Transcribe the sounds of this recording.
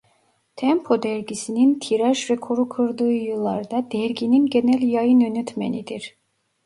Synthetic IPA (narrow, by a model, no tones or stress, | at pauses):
t̪ʰɛmpʰo̞d̪ɛɾɟisinint̪ʰiɾaʒvɛkʰoɾukʰɯɾd̪ɯːjɯlˠːaɾd̪ad̪̥ɛɾɟʲininɟe̞nælʲjajɯnønyt̪ʰmḛnid̪iɾ̥